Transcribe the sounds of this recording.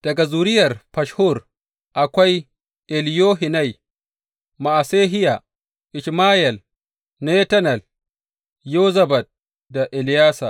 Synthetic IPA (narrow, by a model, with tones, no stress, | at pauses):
d̥ɐ˨ɡa˨zuː˨ɾɪ˦jɐ˨rpɐ˨ʃhʊ˦˨r | ʔa˨kʷa˦j | ʔɛ˨ljoː˦ɦɪ˨na˦˨j | ma˨ʔa˨seː˦ɦɪ˦ja˨ | ʔɪ˨ʃmaː˦jɛ˨l | ne˦tɐ˦nɐ˨l | jo˦zɐ˦bɐ˨t̪̚ | da˨ʔɛ˨ljaː˦sa̰˨